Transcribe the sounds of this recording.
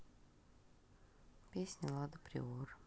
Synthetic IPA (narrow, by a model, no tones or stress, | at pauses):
pʲesʲnʲəlˠad̪əpɾʲɪ̰or